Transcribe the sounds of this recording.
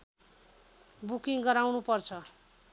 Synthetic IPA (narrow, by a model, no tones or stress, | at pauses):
bukiŋɡʌɾawnupʌrt͡sʰʌ